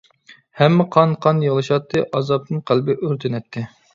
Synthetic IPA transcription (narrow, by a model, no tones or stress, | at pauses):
hɛmːɪqʰɑnqʰɑnjɨʁlˠɨʃɑt̪ʰːɨʔɑzɑp̚t̪ɨnqʰælbɪʔøɾt̪ʰɪnɛt̪ʰːɪ